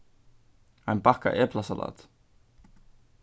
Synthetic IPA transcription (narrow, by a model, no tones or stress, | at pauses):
ajnpahka̰ʔɛplasala̰ːt̪